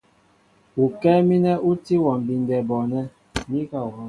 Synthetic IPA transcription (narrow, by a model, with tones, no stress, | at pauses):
u˨kɛ˦mi˦nɛ˦ʔu˦ti˦wɔ˨m˨bi˨n˦dɛ˨bɔ˨nɛ˦ | mi˦ka˦˨wɔ˨